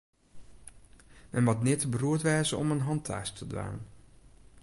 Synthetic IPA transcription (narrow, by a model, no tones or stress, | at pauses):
mɛnmatnɪtəbəruətʋɛːzəɔ̰mənɦɑntʰa̰ːstʰədʋa̰ːn